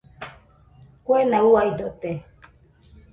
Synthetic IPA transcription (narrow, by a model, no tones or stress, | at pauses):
kwɛnauaid̪ot̪e